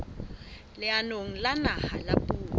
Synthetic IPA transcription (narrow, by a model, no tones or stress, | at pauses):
lɪanoŋ̩lanahalapʼuː